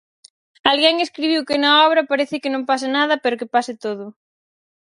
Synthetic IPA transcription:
alɣɛŋeskɾiβiwkɪnɐɔβɾɐpaɾeθɪkɪnõmpasɪnað̞ɐpeɾokɪpasɪt̪oðʊ

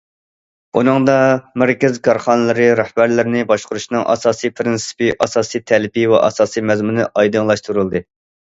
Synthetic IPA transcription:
unɨŋd̪ɑmæɾkʲɪzkʰɑɾχɑnɨlˠɨɾɨɾæhb̥æɾlɪɾɪnɪbɑʃqʊɾuʃnɨŋʔɑ̰sɑːsɨjpʰɾɪnsɨ̥piʔɑsɑːsɨjt̪ʰɛlɪpʰivɛ̰ʔɑ̰sɑːsijmɛzmunɨʔɑjd̪ɨŋlˠɑʃt̪uɾɨlˠd̪ɨ

